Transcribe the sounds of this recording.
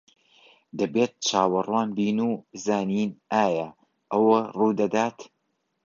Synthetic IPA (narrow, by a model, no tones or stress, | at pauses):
d̪ɐbeːt̪̚t͡ʃʰaːwɐrwaːnbiːnuːzaːniːnʔaːjɐ | ʔɐwɐruːd̪ɐd̪aːt̪